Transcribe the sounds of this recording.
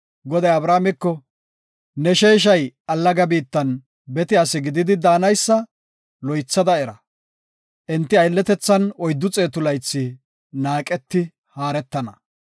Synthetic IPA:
ɡɔd̪ɐjɐbɾaːmɛkːɔ | nɛʃeːʃ̬ɐjɐlːɐɡɐbiːt̪ːɐn | bɛt̪ɪɐsɪɡɪd̪ɪd̪ɪd̪aːnɐjsːɐ | lɔjt͡sːɐd̪ɐɛɾɐ | ʔɛnt̪ːɪɐjlːɛt̪ɛt͡sːɐnɔjd̪ːʊt͡sʼe̞ːt̪ʊlɐjt͡sːɪ | naːkʼɛt̪ːɪ | haːɾɛt̪ːɐnɐ

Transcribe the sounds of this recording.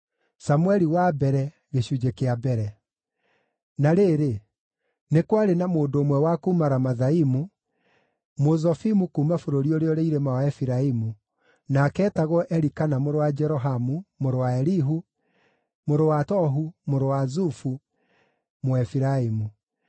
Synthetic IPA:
samuɛɾiwabɛɾɛ | ɣeɕud͡ʒekeabɛɾɛ | naɾeːɾe | nekwaɾenamoːndoːmwɛwakuːmaɾamaðaimu | mozɔfimukuːmafoɾoɾioɾeɔɾeiɾemawaɛfiɾaimu | nakɛːtaɣɔʔɛɾikanamoɾowad͡ʒɛɾɔɦamumoɾowaɛɾiɦu | moɾowatɔɦumoɾowazufu | moɛfiɾaimu

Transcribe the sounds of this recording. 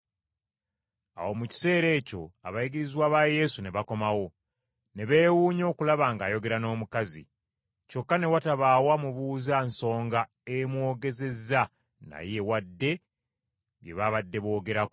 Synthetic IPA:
a̰wo̞muci̥se̞ːɾe̞ːco̞̰a̰βajiɡiɾizwaːβaːje̞sune̞βako̞mawo̞ | ne̞βe̞ːwuːɲo̞ːkulaβaːŋɡaːjo̞ɡe̞ɾano̞ːmukazḭ | co̞kːane̞wataβaːwamuβuːzanso̞ːŋɡa | emwo̞ːɡe̞ze̞za | na̰je̞wadːe̞ | ɡjḛβaβadːe̞βo̞ːɡe̞ɾak

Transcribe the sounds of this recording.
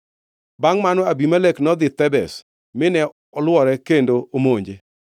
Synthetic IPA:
baŋmanɔabimaleknɔd̪ɪt̪ɛbɛs | mɪnɛ | ɔlwɔɾɛkendoomoɲd͡ʒe

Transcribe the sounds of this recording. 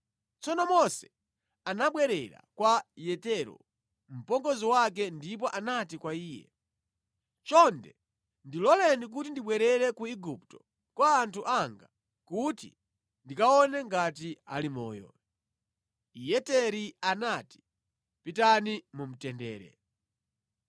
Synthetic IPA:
t͡sɔnɔmɔsɛ̥ | anaɓwɛɾɛɾa̰kwajɛtɛɾɔ̰ | m̩pɔŋɡɔziwak̬ɛndip̬ɔʔanatikwaiːjɛ̰ | t͡ʃɔndɛ | ndilɔlɛnik̬utindiɓwɛɾɛɾɛkuiɡup̚tɔ̥ | kwaːntʰuʔaŋɡa | kutḭ | ndikaɔnɛŋɡat̬ia̰limɔ̰ːjɔ̰ | jɛtɛɾianati̥ | pitanimum̩tɛndɛːɾɛ̰

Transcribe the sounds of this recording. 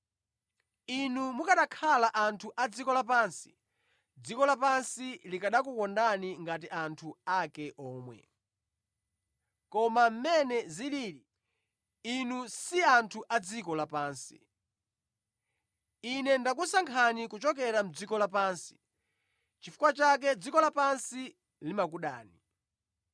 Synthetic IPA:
inumukaɗakʰalaʔantʰuʔad͡zikɔlapaːnsi̥ | d͡zikɔlapansilikaɗakukɔndaniŋɡat̬iantʰuakɛʔɔːmwɛ̰ | kɔmam̩mɛnɛziliːɾi | inusiantʰuʔad͡zikɔlapaːnsḭ | inɛndak̬usaŋkʰanikut͡ʃɔk̬ɛɾam̩d͡zikɔlap̬aːnsi̥ | t͡ʃifu̥kwat͡ʃak̬ɛd͡zikɔlapansi | limak̬uɗa̰ːni

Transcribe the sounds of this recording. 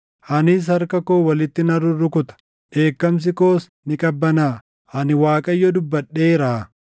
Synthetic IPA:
hɐnɪs̬hɐɾkɐkoːwɐlɪt̪ːɪnɐɾːʊrːʊkʊt̪ɐ̥ | ʔe̞ːkːɐms̬ɪko̞ːs | nɪkʼɐbːɐnaː | hɐnɪwaːkʼɐjːɔd̪ʊbːɐᶑːeːɾaː

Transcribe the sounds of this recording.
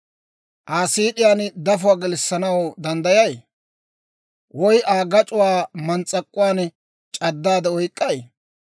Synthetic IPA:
ʔaːsiːᶑɪjaːnd̪ɐfʊwaːɡɛlɪsːɐnɐwd̪ɐnd̪ɐjɐj | wɔjʔaːɡɐt͡ʃʼʊwaːmɐnt͡sʼːɐkʼːʊwaːn | t͡ʃʼɐd̪ːaːd̪ɛɔjkʼːɐj

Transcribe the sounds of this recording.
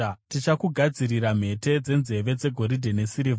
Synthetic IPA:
tit͡ʃakuɡʱad͡ziɾiɾam̤e̞te̞d͡ze̞nze̞ʋe̞d͡ze̞ɡʱo̞ɾidʱenesiɾiv

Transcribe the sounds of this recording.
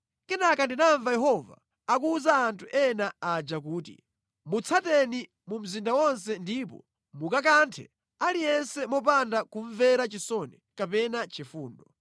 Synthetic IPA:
kɛnakandinaɱvajɛɦɔva̰ː | k̬uuzaːntʰuʔɛnaad͡ʒakuːtḭ | mut͡sʰatɛni | mum̩zindawɔns̬ɛndip̬ɔ̰ | mukak̬antʰɛ̰ | alijɛnsɛmɔp̬andakuɱvɛɾat͡ʃisɔnɛkapɛnat͡ʃifuːndɔ

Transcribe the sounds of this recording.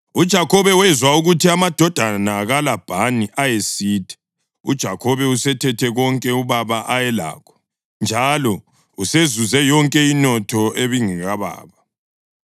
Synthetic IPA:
ud̥ʒ̥ʱakʰɔβɛwɛzwauɣutiamad̥ʱɔd̥ʱanaɣalab̥ʱaniʔajesiːtʰʼɛ̥ | ud̥ʒ̥ʱakʰɔβɛusɛtʰɛtʰɛɣɔŋkʼɛuβaβaʔajɛla̰ːkʰɔ̥ | nd͡ʒʱalɔ | usezuzɛjɔŋkʼɛinɔtʰɔʔeβiŋɛɣaβa̰ːβa

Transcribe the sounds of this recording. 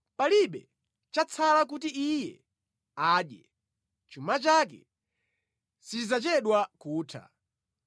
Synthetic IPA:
paliɓɛ | t͡ʃat͡sʰalak̬ut̬iijɛ̰ | aːɗjɛ̰ | t͡ʃumat͡ʃakɛ̰ | sizat͡ʃɛɗwakuːtʰa̰

